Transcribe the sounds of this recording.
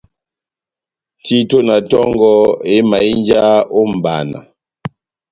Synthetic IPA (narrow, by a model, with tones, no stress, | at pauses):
ti˦to˦na˨tɔ˦ŋɡɔ˦e˦ma˨i˦n˦d͡ʒa˦o˦m̩˨ba̰˨na̰˨